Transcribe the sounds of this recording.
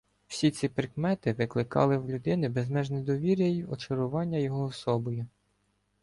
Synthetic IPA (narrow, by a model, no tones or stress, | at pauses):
w̥sʲit͡sʲipɾɪkmɛt̪ɪʋɪklˠɪkɑ̰lˠɪwlʲʊd̪ɪnɪbezmɛʒned̪ɔʋʲiɾʲjɐjiɔt͡ʃɔɾʊʋɑnʲːɐjɔɦɔːsɔbɔjʊ